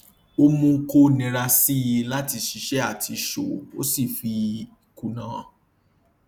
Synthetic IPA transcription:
o˧mũ˧ŋ̩˦ko˦nĩ˨˧ɾa˧si˦ji˧la˦ti˧ʃi˧˦ʃɛ˦a˦˨tʰi˧ʃo˨o̰˦si˦˨fi˧i˨ku˨nã˨˦˨

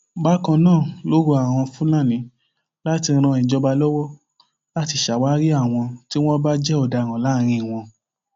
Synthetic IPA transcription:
ba˨˦kã˧nãː˦˨lo˦ɾo˧a˨w̃ɔ̃˧fũ˦lã˦˨nĩ˨˦ | la˦ti˧ɾ̃ã˧ĩ˨d͡ʒɔ˧ba˧lɔ˦wɔ˦ | la˦ti˧ʃa˨wa˦ɾi˦a˦˨w̃ɔ̃˧ti˦w̃ɔ̃˦ba˦d͡ʒɛ˦ɔ˦˨da˨ɾ̃ã˨la˨˦˨ɾ̃ĩ˧i˨w̃ɔ̃˧

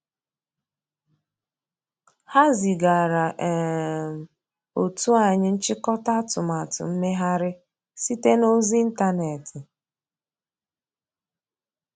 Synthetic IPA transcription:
ha˦zi˨ɡa˨ɾa˨ʔɛ˨ | o˨tu˦a˨ɲɪ˦n̩˦t͡ʃɪ˦kɔ˦ta˦tʊ˨ma˨tʊ̰˨m̩˦me˦ɦa˦ɾɪ˦ | si˦te˦no˦zi˦n̩˦ta˦ne˨tɪ˨

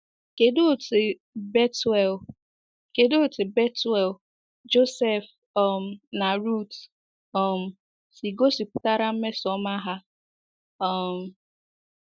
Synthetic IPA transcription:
ke˨do˦˨te˨ | be˦tɛ˨l | ke˨do˦˨tɪ˨be˦tɛ˨l | d͡ʒo˦se˦˨f | ɔ˨m̩˨na˨ɾu˦˨t | ɔ˦m̩˨ | si˨ɡo˦si˨pʊ̥˦ta˦ɾa˦m̩˦me˦sɔ˦ma˦ɦa˦ | ɔ˦˨m̩˨

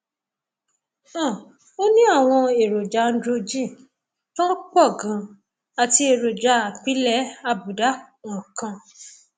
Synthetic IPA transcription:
ã˦˨ | o˦nĩ˦a˦˨w̃ɔ̃˧e˨ɾo˨d͡ʒa˨˦n̩˦dɾo˧d͡ʒĩ˦˨ | tã˦k͡pɔ˦˨ɡã˨˦ | a˨ti˧e˨ɾo˨d͡ʒa˨˧˦a˨k͡pi˨˦lɛ˦a˧bu˨da˦wɔ̃˨kã˧

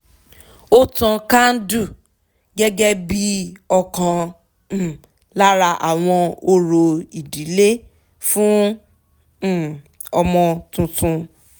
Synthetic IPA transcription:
o˦tã˧kã˦n̩˦du˦˨ | ɡɛ˦ɡɛ˦bi˦ɔ˧kã˧˨ | la˦ɾa˧ʔa˨w̃ɔ̃˧o˧ɾo˧i˨di˨˦le˦ | fũ˦˨ | ɔ˧mɔ̃˧tũ˧tũ˧

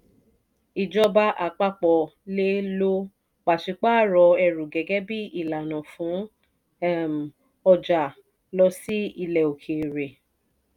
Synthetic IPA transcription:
i˨d͡ʒɔ˧ba˧ʔa˨k͡pa˦k͡pɔ˧˨le˦lo˦ | k͡pa˨ʃi˨˧k͡pa˦˨ɾɔ˧ɛ˧ɾu˨ɡɛ˨˦ɡɛ˦bi˦i˦˨la˨nã˨fũ˨˦ | m | ɔ˧d͡ʒa˨ | lɔ˧si˦i˧lɛ˨o˨kʰe˨ɾe˨

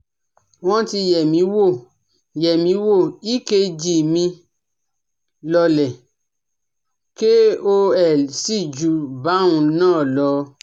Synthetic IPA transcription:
wɔ̃˦ti˧jɛ˨mĩ˨˧˦wo˦˨ | jɛ˨mĩ˧˦wo˦˨i˦ke˧d͡ʒi˨mĩ˧ | lɔ˧lɛ˨ | ke˦o˧ɛ˨si˦˨d͡ʒu˨ba˨˦ũ˧nãː˦˨lɔ˨˧˦

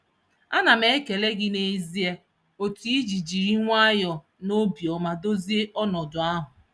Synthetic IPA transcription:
a˦na˨me˦ke˨le˦ɡɪ˦ne˨zi˦e˦ | o˨ti˦i˦d͡ʒi˨d͡ʒi˨ɾi˦ŋʷa˦jɔ˨ | no˦bjɔ˨ma˦do˦zi˦e˦ʔɔ˦nɔ˨dʊ˨a˦ɦʊ˨

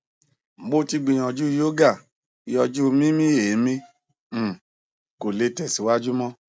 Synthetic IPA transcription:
m̩˨ɡ͡bo˦ti˧ɡ͡bĩ˧jɔ̃˧˨d͡ʒu˦i˧˦jo˦ɡa˦˨ | i˧jɔ˧d͡ʒu˦˧mĩ˦mĩ˦je˨˦mĩ˦˨ | ko˨le˧tɛ˨si˨˦wa˦d͡ʒu˦mɔ̃˦

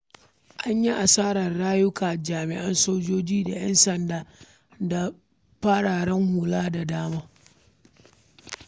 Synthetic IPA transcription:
ʔa˦ɲji˦ʔa˨saː˦ɾɐ˨rɽaː˦jʊ˦kaː˨d͡ʒaː˨mɪ̰˨ʔa˦nsoː˦d͡ʒoː˦d͡ʒiː˦da˨jɐ˦nsɐ˨ndaː˦ | da˨ | ɸaː˦ɽaː˨ɽɛ˦ŋhʊ˨laː˦da˨daː˦maː˦

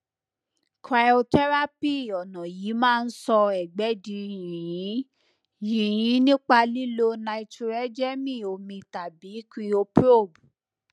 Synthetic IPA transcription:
kʰɾa˧jo˧tɛ˦ɾa˦pi˦˨ɔ˨nɔ̃˨ji˨˦mãː˦˧n̩˦sɔ˧ɛ˨ɡ͡bɛ˨˦dĩ˧jĩ˨jĩ˨˦ | jĩ˨j̃ĩ˨˦nĩ˦k͡pa˧li˦lo˧na˧i˧tu˧ɾɛ˦d͡ʒɛ˦mĩ˦˨o˨mĩ˧˨ta˨bi˨˦ki˧o˧pɾo˦˨bu˨

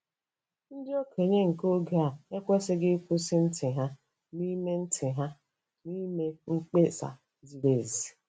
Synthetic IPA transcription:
n̩˦dɪ˦o˦kʰe˨ɲe˦ŋ̩˨ko˦ɡe˨a˨e˦kʷe˦sɪ˦ɡɪ˦kʷu˦sɪ˦n̩˦tʰɪ˨ɦa˦ | ni˦me˦n̩˦tʰɪ˨ɦa˦ | ni˦me˦ŋ̩˦k͡pe˦sa̰˨ | zi˨ɾe˨zi˨

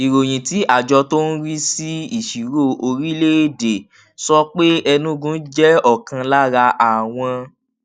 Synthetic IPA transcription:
i˨ɾo˨j̃ĩ˨ti˨˦ʔa˦˨d͡ʒɔ˧to˦n̩˦ɾi˦si˦i˦˨ʃi˨ɾo˦˨o˧ɾi˦le˦˨de˨ | sɔ˦k͡pe˦ɛ˧nũ˦ɡũ˦n̩˦d͡ʒɛ˦ɔ˦˨kã˧la˦ɾa˧ʔa˨w̃ɔ̃˧

